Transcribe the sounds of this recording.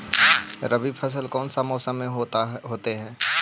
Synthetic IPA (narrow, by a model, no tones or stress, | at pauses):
ɾɐbipʰɐs̬əlkɔːnsamɔːsəmːẽɦt̪ɦoːt̪eɦɛ̃ː